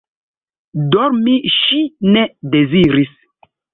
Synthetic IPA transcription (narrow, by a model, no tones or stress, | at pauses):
dɔɾmiʃinedeziɾis